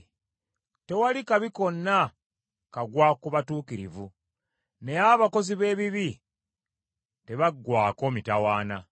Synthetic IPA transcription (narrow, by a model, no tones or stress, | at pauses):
te̞walikaβiko̞nːa | kaɡwakuβatuːkiɾḭvu | ne̞aβako̞ziβe̞ːβiβi | te̞βaɡːwaːko̞ːmitawaːna